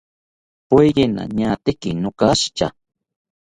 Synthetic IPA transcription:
pejɢɪna̰ɲaːt̪ɪkɪnokaʃt͡ʃa̰

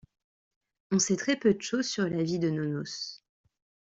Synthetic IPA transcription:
ɔ̃sɛt̪χɛpød̪əʃozsyʁlavid̪ənonos

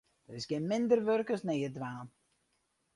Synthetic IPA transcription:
d̥ətɪsɡɪnmɪndərʋørkəsnejədʋaːn

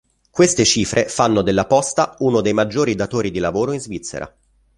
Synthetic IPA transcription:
kwest̪et͡ʃiːfɾʔefanːod̪elːapɔst̪aunod̪ejmad͡ʒːoːɾid̪at̪oːɾid̪ilavoːɾoinzvit̪sːḛɾʔa̰

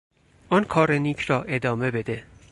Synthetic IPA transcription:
ʔɒnkʰɒːɾeniːcʰrɒːʔe̞d̪ɒːme̞be̞d̪e

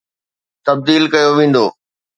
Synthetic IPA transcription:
t̪ɐb̚d̪iːlkɐjoʋẽːn̆d̪o̰ː

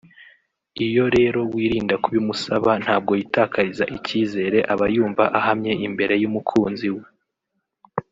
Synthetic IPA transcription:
ijo̞ɾe̞ːɾo̞wiːɾiːndakuβimusaβan̥haːb̚ɡo̞jitaːkʰaɾizaʔiciːze̞ːɾe̞ʔaβajuːɱvaʔahamɲe̞ʔimbe̞ɾe̞jumukʰuːnziwe

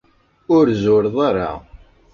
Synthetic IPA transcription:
ʊɾzʊɾðˤaɾa̰

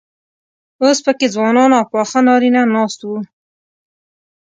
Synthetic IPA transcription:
ospəked͡zwɑnɑnawpɑxanɑɾinanɑst̪wu

